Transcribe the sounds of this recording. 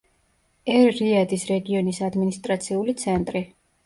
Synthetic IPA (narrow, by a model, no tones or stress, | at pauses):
ɛɾːiad̪isɾɛɡiɔnisad̪minist̪ʼɾat̪sʰiulit̪sʰɛnt̪ʼɾi